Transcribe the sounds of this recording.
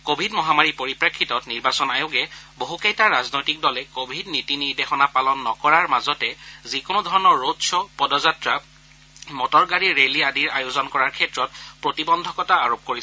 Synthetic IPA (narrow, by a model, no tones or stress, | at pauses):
kobʱidmɔɦamaɹipoɹipɹakʰːitɔtniɹbasɔnajoɡɛboɦukejtaɹaznojtik̚dɔlɛkobʱidnitiniɹdexɔnapalɔnːɔkɔɹaɹmazɔtɛzikʊnʊdʱɔɹɔnɔɹːodsɔpɔdɔzatɹa | mɔtɔɹɡaɹiɹeliadiɹajozɔnkɔɹaɹkʰɛtɹɔt̚pɹotibɔndʱɔkɔtaːɹop̚koɹisɛ